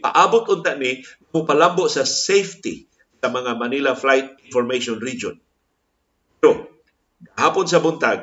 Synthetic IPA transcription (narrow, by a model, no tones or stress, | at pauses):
pa̰ʔabʊt̪ʊnt̪aʔniŋamʊpalamboʔsasejft̪ɪ̰ | samaŋamanilaflajt̪̚ɪnfoɾmejʃonɾid͡ʒon | pɛɾo | ɡaɦaːpʊns̬abʊnt̪aɡ